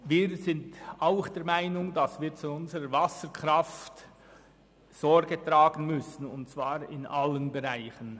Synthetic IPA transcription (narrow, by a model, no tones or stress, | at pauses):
viːɾzɪntaʊxd̥ɛɾmaɪnʊŋdasv̥iːɾt͡suʊnzəɾəɾvasəɾkʁaft | z̥ɔɹɾɡətɾaːɡənmʏsn̩ʊntt͡sv̥aːɾɪ̰nʔalːənbɛʁaɪçən